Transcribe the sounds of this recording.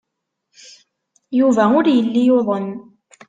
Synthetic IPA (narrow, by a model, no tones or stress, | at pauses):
juvæʊɾjəlːijoðˤən